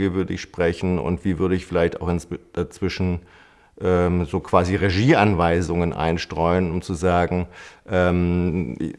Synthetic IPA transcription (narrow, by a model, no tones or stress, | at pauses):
ivʏɐdəɪçʃpʁ̥ɛçn̩ʊ̰ntv̥iːvʏɐɾəɪçfɪlaɪçta̰ʊxɪnt͡sd̥at͡sv̥ɪʃn̩ | ʔɛːmzoːkv̥aːziʁeʒiːʔanvaɪzʊŋənʔa̰ɪnʃtʁ̥ɔʏənʊmt͡suzaːɡŋ̩ʔɛːm